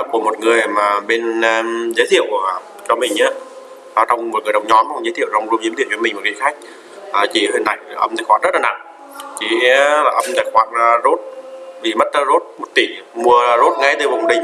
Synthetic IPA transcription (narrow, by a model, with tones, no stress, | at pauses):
ku˧˩əmo˨˩t̚ŋɨ˨˩əjmaː˨˩ɓe˧n˧zəː˨˦t̪ʰḭ˧˨əwkə | t͡ɕɔ˧mï˨˩ŋ̟ʔaː˨˦˧ | t͡ɕɔ˧wŋ͡mmo˨˩t̚ŋɨ˨˩ə˩ɗə˨˩wŋ͡mɲɔ˨˦mɔ˧wŋ͡mzəː˨˦t̪ʰi˧˨ə˨wza˧wŋ͡mzu˧mzi˨˦t̪ʰi˧˨˩t͡ɕi˨˦mï̟˩mo˨˩ki˨˦xa˦˥k̟̚ | ʔaː˨˩t͡ɕi˧˩həː˧nːa̰˧˨ja˨˩ʔə̰˧mt̪ʰa˨˧˩jxwaː˧˩nzə˦˥t̚laː˨na̰˧˨ŋ | t͡ɕi˧˩˧laː˨˩ʔə˧mt̪aː˧˩xwaː˨˦˥t̚ːzo˦˥t̚vi˨˩mə˦˥t̚ə˧˦zo˦˥t̚mo˨˩t̚t̪i˧˩mu˧ə˧zo˦˥t̚ŋa˨˦jt̪ɨ˧˩və˨˩wŋ͡mɗï˨˩ŋ